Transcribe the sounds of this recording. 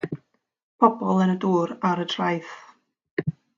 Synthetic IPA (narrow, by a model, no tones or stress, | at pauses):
pʰɔbɔlˠənəduːɾaɾətʰr̥ajθ